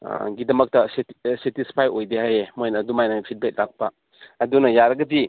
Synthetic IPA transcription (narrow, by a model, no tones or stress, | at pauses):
ɡidɐmɐk̚tɐssetispʰajojdehajemojnɐdumajnapʰit̚bet̚lak̚pɐː | dunɐjaɾɐɡɐdi